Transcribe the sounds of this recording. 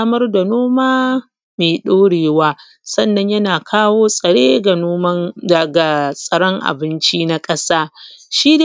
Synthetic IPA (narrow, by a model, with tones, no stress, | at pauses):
mɐ˦rda˨noː˦maː˦ | meː˨ɗoː˦ɽeː˨waː˦ | sɐ˦˨nːɐ˦ɲjɐ˦naː˨kʰaː˦woː˦sʼɐ˨ɽeː˦ɡa˨oː˦mɐ˦ɐ˨ɡa˨sʼɐ˨ɽɔ˦ŋʔa̰˨bɪ˦nt͡ʃiː˦na˦kʼɐ˦saː˦ | ʃiː˦de˨